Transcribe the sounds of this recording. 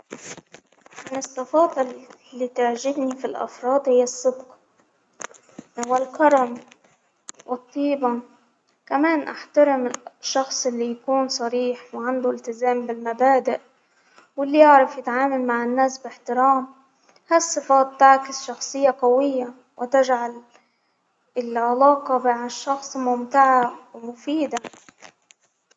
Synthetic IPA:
ʕɪnɪsɑfɑːt̪ˤllːit̪aʕʒɪhnifilʔɑ̰fɾˤɑːd̪hɪjːɑsˤːɨbqɑ | wɪlkɑɾˤɑm | wʔɨt̪ˤːiːbɑ | kameːnʔa̰ħt̪ɑɾɪmʃːɑxsˤɪlːijakuːnsˤɑɾiːħwʕand̪uɪlt̪ɪzaːmbɪlmabaːd̪ɪʔ | wɪlːiʔaʕɾˤɑfjɪt̪ʕaːmalmaʕɪnːaːsbɪħt̪ɪɾɑːm | hasˤːɨfɑːt̪̚ːaʕkɪsʃɑxsˤɨjːaqawɪjːa | wʔɪt̪ɪʒʕal | ɪlʕalɑːqɑbaʕaʃːɑxsˤmʊmt̪aʕawmʊfiːd̪a

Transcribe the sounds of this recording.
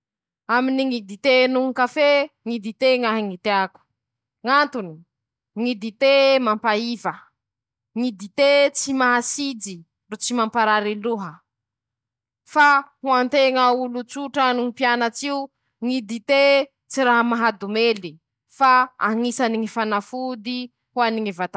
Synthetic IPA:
aminiŋid̪it̪enuɦukafeŋid̪it̪eŋaɦiŋit̪eaku̥ | ŋant̪uni̥ | ŋid̪it̪emampaivə | ŋid̪it̪et͡simaɦasid͡zi | rut͡simampaɾaɾiluɦə | fahuant̪eŋaulut͡suʈ͡ʂanuŋipianat͡siu | ŋid̪it̪e | t͡siɾaɦamaɦad̪umeli | faa̰ŋisaniŋifanafud̪i | huaniŋivat̪a

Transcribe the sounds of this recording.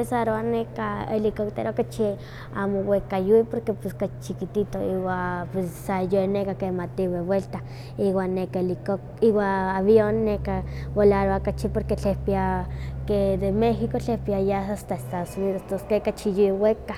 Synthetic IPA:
esaɾoanekaelikokt̪ḛɾokat͡ʃi | a̰mowekajuipoɾkepeskat͡ʃikit̪it̪oiwapesːajoenekakemat̪iwebwelt̪a | iwanːekaelikokiwaaβjonːekawolaɾoakat͡ʃipoɾket͡ɬehpiaked̪emexikot͡ɬehpiajasast̪aest̪aðosuniðost̪oskekat͡ʃijuweka

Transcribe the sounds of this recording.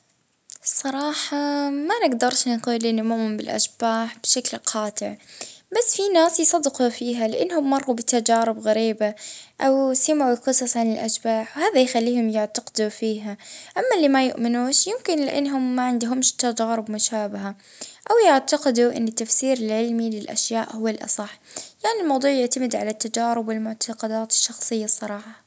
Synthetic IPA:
sˤɑɾˤɑːħɑmanɪɡd̪ɑɾˤʃnquːlʔɪnːʊmʊʔmːɪmbɪlʔa̰ʃb̥aːħb̥ʃaklqʰɑːt̪ˤɪʕbasːfinaːsjsˤɑd̪ːɪqufiːɦalɪʔanːhʊmːɑrˤːubɪt̪ad͡ʒaːɾɪbɣaɾiːbaʔawsɪmʕulqɨsˤɑsˤʕanɪlʔaʃbaːħwhaːðajxalːiːhʊmjɪʕt̪aqɪd̪ufiːɦaʔamːalːimajʊʔmɪnuːʃjɪmkɪnlɪʔa̰nːɦʊmːaʕɪnd̪ɦʊmʃt̪ad͡ʒaːɾɪbmʊʃaːbaɦa | ʔawjɪʕt̪aqɪd̪uʔɪ̰nːɪt̪ːafsiːɾɪlʕɪlmilɪlʔa̰ʃjaːʔhʊwːalʔɑ̰sˤɑħjaʕnilmɑwd̪ˤuːʕjɪʕt̪amɪd̪ʕalat̪ːad͡ʒaːɾɪbwɪlmʊʕt̪ʰɑqɑd̪aːt̪ɪ̥ʃːɑxsˤɨjːɑsˤːɑɾˤɑːħɑ

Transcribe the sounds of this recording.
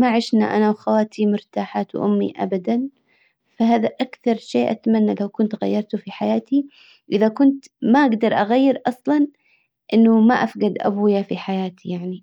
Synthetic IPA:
maʕɪʃna̰ʔanawxawaːt̪ʰimʊɾt̪aːħaːt̪wʔʊmːḭʔa̰bad̪an | faɦaːðaʔakθɑɾˤʃeːʔat̪manːalawkʊnt̪ɣa̰jːɑɾˤt̪ʊfiħajaːt̪i | ʔɪðakʊnt̪maʔaɡd̪ɑɾˤʔaɣajːɪɾʔɑsˤlɑn | ʔɪnːʊmaʔafɡad̪ʔa̰buːjafiħajaːt̪ʰijaʕni

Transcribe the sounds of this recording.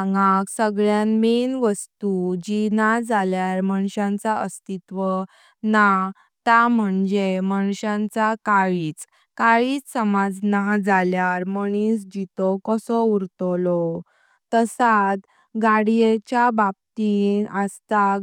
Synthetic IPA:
ŋɡãksəɡɭjanmenʋəst̪ud͡ʑinad͡zaljaɾməɳɕãnt͡saəst̪it̪ʋə | na | t̪am̤əɳd͡zeməɳɕãnt͡sakaɭiːt͡s | kaɭiːt͡ssəmad͡znad͡zaljaɾməɽ̃isd͡ʑit̪ɔkəsɔuɾt̪ɔlɔ | t̪əsat̪ | ɡaɽijet͡ɕjabab̚t̪iəst̪a

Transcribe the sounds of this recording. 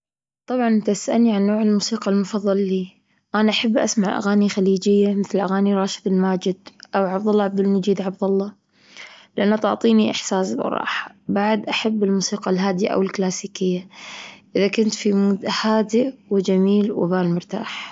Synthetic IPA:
t̪ˤɑbʕɑnɪt̪aʔasʔalniʕanːoːʕɪlmuːsiːqalmʊfɑðˤːɑlːiː | ʔanaʔaħabːʔa̰smaʕʔa̰ɣaːnixaliːd͡ʒɪjːamɪθlʔaɣaːniɾˤɑːʃɪ̥d̪ɪlmaːd͡ʒɪd̪ʔawʕabd̪ʊlˤːɑʕab̚d̪ɪlmad͡ʒiːd̪ʕabd̪ɑlˤːɑ | lɪʔanːat̪ʊʕt̪ˤiːniʔɪħsaːsbɑ̰ɾˤɑ̰ːħḁbaʕd̪ʔaħabːɪlmuːsiːqɑlɦaːd̪ɪja̰ʔa̰wɪlklaːsiːkɪjːaʔɪðakʊnt̪fimuːd̪haːd̪iwɪd͡ʒamiːlwɪ̰baːlmʊɾt̪a̰ːħ

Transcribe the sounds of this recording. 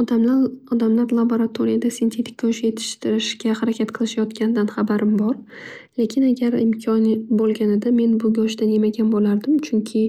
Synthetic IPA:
ɒd̪amlaɒd̪amlaɾlˠaboɾat̪ʰoɾijad̪asɪnt̪ʰe̞t̪ʰɪ̥kʲːɒʃje̞t̪ʰɪ̥ʃt̪ɪɾɪʃɡʲahaɾakʲʰat̪qʰɨlˠɪʃajɒt̪kʲʰanɪd̪anχabaɾɪmbɒɾle̞kʲʰɪnaɡʲaɾɪ̰mkʲʰɒnbolˠɡʲaned̪ame̞nbʊɡʲɒʃd̪ane̞maɡʲanbolaɾd̪ɪmt͡ʃʰʊŋkʲʰɪ

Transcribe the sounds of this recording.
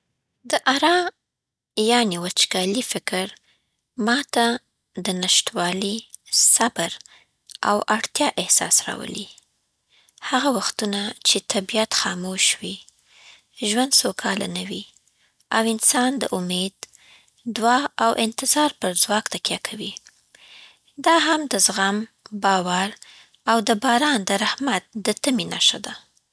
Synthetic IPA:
d̪əʔaɾɑ | jɑnewat͡ʃɡɑlifɪkɾ | mɑt̪a | d̪ənaʃt̪wɑlisabəɾ | a̰waɽt̪jɑʔɪhsɑ̰sɾɑ̰wə̰li | haɣawaxt̪unat͡ʃet̪ʰabijat̪xɑmoʃwi | ʒwand̪sokʰɑla̰nəwi | awɪnsɑnd̪ə̰ʔʊmed̪ː | wɑawʔɪnt̪ɪzɑɾpəɾzwɑkt̪akjakʰawi | d̪ɑɦamd̪əzɣambɑwaɾ | awd̪əbɑɾɑnd̪əɾahmat̪̚d̪ət̪aminaʃad̪a

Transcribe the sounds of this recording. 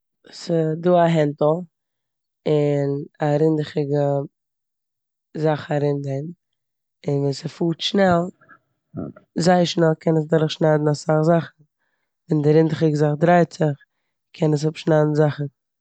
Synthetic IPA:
sɪduːaɦɛntlˠ | ɪnaɾɪndɪχɪɡə | zaχaɾɪndɛn | ɪnsəfuːtʃnɛlˠ | zaɪəɾʃnɛlˠkʰɛnəs̬dɔɾɪχʃnaɪdn̩asaχzaχn̩ | vɛndɪɾɪndɪχɪɡəzaχdɾaɪtt͡sɪχ | kʰɛnəs̬hɔpʃnaɪdn̩zaχn̩

